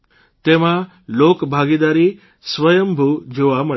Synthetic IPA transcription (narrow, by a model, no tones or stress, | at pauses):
t̪eʋ̤ã | lokbʱaɡid̪aɾiː | sʋəjəmbʱud͡ʑuʋamə